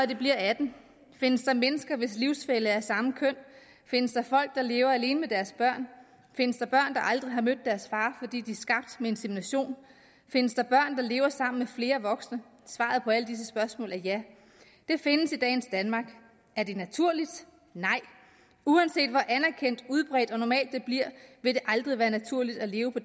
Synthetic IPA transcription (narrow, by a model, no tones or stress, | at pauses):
ɒd̥e̝b̥liɐ̰æd̥n̩ | fe̝nəsd̥ɑ̈menəsɡ̥ɐʋe̝sliʊsfeləæɐsɑ̈məkʰøn̰ | fe̝nəsd̥ɑ̈fɒ̽l̰ɡ̥̚d̥ɑ̈le̝ːʊɐæle̝ːnəmed̥æɐsb̥ɶɐ̰n | fe̝nəsd̥ɑ̈b̥ɶɐ̰nd̥ɑ̈ʔɑ̈ld̥ʁiɦɑ̈mød̥̚ːæɐsfɑ̈ːfɒ̽d̥ḭːd̥iæɐsɡ̥ɑ̈b̥̚d̥mee̝nsiminæɕo̝̰ːn | fe̝nəsd̥ɑ̈b̥ɶɐ̰nd̥ɑ̈le̝ːʊɐsɑ̈m̰n̩mefle̝ːɐʋɒ̽ɡ̥snə | sʋɑ̰̈ð̞̩ˠpʰɒ̽æləd̥is̬əsb̥ɶɐsmɔ̰̽ːlæɐjæ | d̥e̝fe̝nəsid̥ɛ̰ːn̩sd̥ænmɑ̈ːɡ̥ | æɐde̝næt͡sʰuɐ̰lid̥ | nɑ̈ɪ̰ | uænse̝̰ːd̥ʋɒʔænæɐkʰen̰d̥uð̞ˠb̥ʁɛ̰ːd̥ɒ̽nɒmɛ̰ːld̥ːe̝b̥liɐ̰ʋe̝ɾ̥e̝ʔɑ̈ld̥ʁiʋæːɐnæt͡sʰuɐ̰lid̥æle̝ːʊəpʰɒ̽